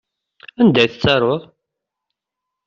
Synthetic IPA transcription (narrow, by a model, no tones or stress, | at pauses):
ænd̪æjθət͡sːɑɾˤoðˤ